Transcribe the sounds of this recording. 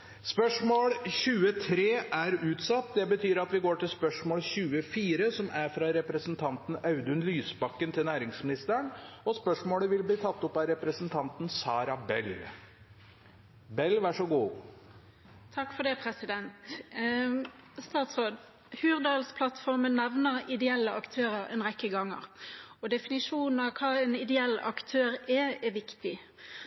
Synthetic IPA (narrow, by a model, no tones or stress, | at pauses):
spœʂmoːɽçʉːət̪ʰɾeːʔæɾʉːt̪sɑt̪ːd̪ɛbət̪ʰyːɾɑt̪ʋɪɡoːʈɪlspœʂmoːlçʉːəfiːɾəsɔmʔæɾfɾɑɾɛpɾəsənt̪ʰɑnt̪n̩ɑʉd̪ʉnlyːsbɑkːənt̪ʰɪlnæːɾɪŋsmɪnɪst̪əɳɔspœʂmoːɽəʋɪlbliːt̪ʰɑt̪ːʊpːɑɾɛpɾəsnt̪ʰɑnt̪n̩sɑːɾɑbɛl | bɛlːʋæʂɔɡuː | t̪ʰɑkːfɔd̪ɛpʰʁɛsɪd̪ɛnt̪ | st̪ɑːt̪sʁoːd̪ | hʉːʁd̪ɑːlspʰlɑt̪fɔʁmənːɛʋnəʁɪd̪ɛɛlːəɑkt̪ʰøːʁəʁɛ̰nʁɛkːəɡɑŋːə̰ʁɔd̪ɛfɪnɪʂuːnn̩ɑʋkʰɑːɛnɪd̪ɛɛlːɑ̰kt̪ʰøːʁɛɛʋɪkt̪ɪ